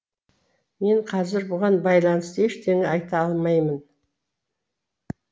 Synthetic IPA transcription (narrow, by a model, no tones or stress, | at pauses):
me̞ɴqʰɑzɪɾbʊʁɑnbɑjlˠɑnəst̪e̞ʃt̪ʰeŋɪɑjt̪ɑɑlˠmɑjmən